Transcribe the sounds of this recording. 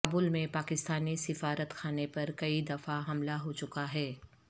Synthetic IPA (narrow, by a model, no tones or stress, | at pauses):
buːlmẽpaːkɪst̪aːnisɪfaːɾət̪xʰaːnepɐɾkɐid̪ɐfaɦɐmlaɦot͡ʃʊkaɦɛː